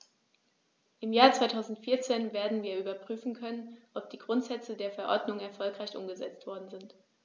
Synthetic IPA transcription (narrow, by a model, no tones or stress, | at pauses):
ʔɪmjaːɐt͡sv̥aɪtʰaʊzn̩tfiːɐt͡seːnveːɐdn̩viːɐʔyːbɐpʁ̥yːfn̩kʰœnənʔɔp̚d̥iːɡʁʊntz̥ɛt͡sədeːɐfɛɐʔɔɐdnʊŋɛɐfɔlkʁ̥aɪçʔʊ̰mɡəzɛ̰t͡stv̥ɔɐdn̩zɪnt